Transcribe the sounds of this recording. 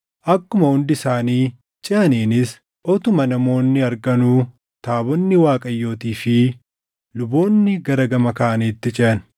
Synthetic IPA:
ʔɐkːʊmɐʊnd̪ɪsaːniː | t͡ʃʼɪʔɐneːnɪs | ʔɔt̪ʊmɐnɐmo̞ːnːɪɐɾɡɐnuː | t̪aːbɔnːɪwaːkʼɐjːo̞ːt̪iːfɪ | lʊbo̞ːnːɪɡɐɾɐɡɐmɐkaːɐneːt̪ːɪt͡ʃʼɪʔɐn

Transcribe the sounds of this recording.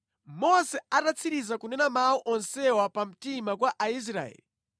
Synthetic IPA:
mɔsɛatat͡sʰiɾizakunɛnamauʔɔnsɛwapam̩timakwaʔais̬ɾa̰ɛ̰li

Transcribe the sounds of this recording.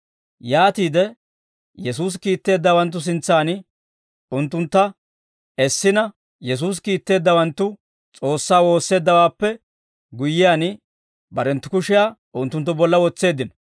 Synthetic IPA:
jaːt̪iːd̪ɛ | jɛs̬uːs̬kiːt̪ːe̞ːd̪ːɐwɐnt̪ːʊs̬ɪnt͡sːaːn | ʊnt̪ːʊnt̪ːɐ | ɛsːɪnɐ | jɛs̬uːs̬kiːt̪ːe̞ːd̪ːɐwɐnt̪ːʊ | t͡sʼo̞ːsːaːwo̞ːsːe̞ːd̪ːɐwaːpːɛ | ɡʊjːɪjaːn | bɐɾɛnt̪ːʊkʊʃɪjaːʔʊnt̪ːʊnt̪ːʊbɔlːɐwɔt͡sːe̞ːd̪ːɪnɐ

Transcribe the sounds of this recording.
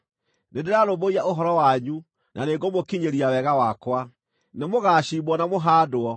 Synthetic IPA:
nendeɾaɾoboiaʔoɦɔɾɔwaɲu | nʔaneɡomokiɲeɾiawɛɣawakwa | nemoɣaːɕimbɔnamoɦaːdoɔ

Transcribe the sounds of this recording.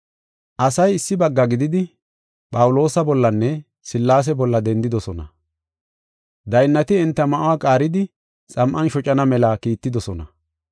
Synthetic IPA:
ʔɐsɐjɪsːɪbɐɡːɐɡɪd̪ɪd̪ɪ | pʼɐwʊlo̞ːsɐbɔlːɐnːɛ | sɪlːaːs̬ɛbɔlːɐd̪ɛnd̪ɪd̪ɔsɔnɐ̰ | d̪ɐjnːɐt̪ɪɪnt̪ːɐmɐʔʊwaːkʼaːɾɪd̪ɪ | t͡sʼɐmʔɐnʃɔt͡ʃʼɐnɐmɛlɐkiːt̪ːɪd̪ɔsɔnɐ

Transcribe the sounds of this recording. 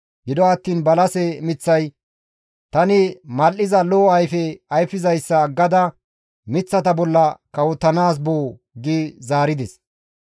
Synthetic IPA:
ɡɪd̪ɔɐt̪ːiːnbɐlɐsɛmɪt͡sːɐj | t̪ɐnɪmɐlʔɪzɐloːɐjfɛɐjfːɪzɐjsːɐɡɐd̪ɐ | mɪt͡sːɐt̪ɐbɔlːɐkɐwʊt̪ːɐnaːs̬boː | ɡizaːɾɪd̪ɛs

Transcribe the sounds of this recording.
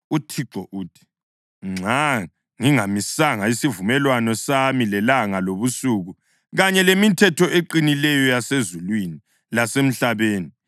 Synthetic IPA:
utʰiǁɔʔuːtʰi̥ | ŋ͡ǀʱa | ŋiŋamisaŋaisivumɛlwanɔsamilɛlaŋaloβusuɣu | ɣaɲɛlemitʰɛtʰɔʔeǃinilɛjɔjasezulwini | lasem̩ɬaβeːni

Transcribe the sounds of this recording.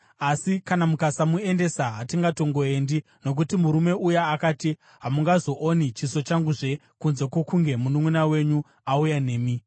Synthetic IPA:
asikanamukasamue̞nde̞saɦatiŋɡato̞ŋɡo̞e̞ndi | no̞k̬utimuɾume̞ujaːkaːti | ɦamuŋɡazo̞ʔonit͡ʃiso̞t͡ʃaŋɡuʐe̞ | kunze̞kwo̞kuŋɡe̞munumunawe̞ɲu | aujane̞ːmi

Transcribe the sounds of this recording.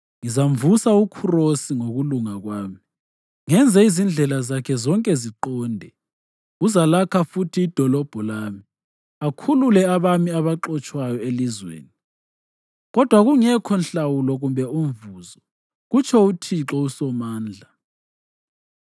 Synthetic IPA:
ŋizaɱvusaukʰurosiŋoɣuluŋaɣwaːmi | ŋɛnd͡zʱɛizind͡ɮʱɛlazakʰɛzɔŋkʼɛziǃɔːndʱɛ | uzalakʰafutʰiːd̥ʱɔlɔb̥ʱɔlaːmi | akʰululɛaβamiaβaǃɔt͡ʃʼwajɔelizwḛːni | ɣɔd̥ʱwaɣuŋɛkʰɔnɬawulɔɣumbʱɛuɱvuːzɔ | ɣut͡ʃʰɔutʰiǁɔusɔmaːnd͡ɮʱa

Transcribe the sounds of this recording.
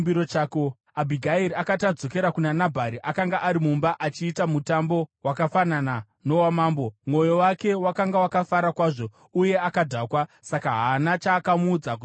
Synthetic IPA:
biɾot͡ʃaːko | abʱiɡʱaiɾiakatad͡zo̞ke̞ɾakunanabʱaɾiʔakaŋɡaʔaɾimumbaʔat͡ʃiːtamutambo̞wakafanana | no̞wamaːmbo̞mo̞jo̞wake̞wakaŋɡawakafaɾakwaːʐo̞ | uje̞akadʱakwasakaɦanat͡ʃaːkamuːd͡zak

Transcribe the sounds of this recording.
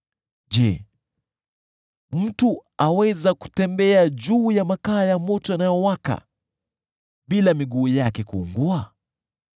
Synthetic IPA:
ʄɛ | m̩tuawɛzaku̥tɛmbɛaʄuːjamakaːjamɔtɔanajɔwaka̰ | ɓilamiɠuːjakɛkuːŋɡua

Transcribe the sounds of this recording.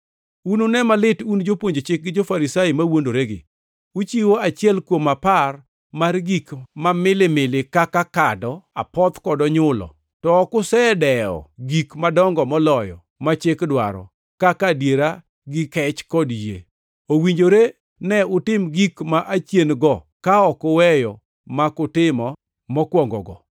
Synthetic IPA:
unonɛmalɪtund͡ʒopwoɲd͡ʒot͡ʃɪk̚ɡɪd͡ʒofaɾisajɪmawondoɾeɡɪ̰ | ut͡ʃiwoat͡ʃɪɛlkwomapar | marɡikmamɪlɪmɪlɪkakakadɔa̰pɔt̪kɔdɔɲʊlɔ̰ | tɔkʊsɛdɛɔ̰ɡikmadɔŋɡɔmɔlɔjɔ̰ | mat͡ʃɪkdwa̰ɾɔ̰ | kakadjeɾa | ɡɪkɛt͡ʃkɔdjḛ | owiɲd͡ʒoɾe | nɛʊtɪmɡikmaʔat͡ʃjenɡɔ | kaɔkʊwɛjɔ | makʊtɪmɔ | mɔkwɔŋɡɔ̰ɡɔ̰

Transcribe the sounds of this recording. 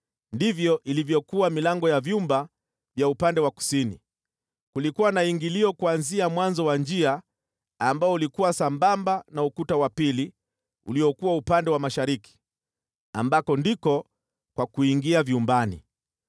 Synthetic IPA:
ndivjɔʔilivjɔkuwamilaŋɡɔjavjumba | vjaupandɛwaku̥sini | kulikuwanaiŋɡiliɔkuanziamwanzɔwand͡ʒiaː | mbaɔulikuwasambambanaukutawapili | ṵliɔkuwaupandɛwamaʃaɾiki̥ | a̰mbakɔndikɔ | kwakuiŋɡiaviumbanḭ

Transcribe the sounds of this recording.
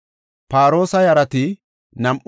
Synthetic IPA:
paːɾo̞ːsɐjɐɾɐt̪ɪ | nɐmʔ

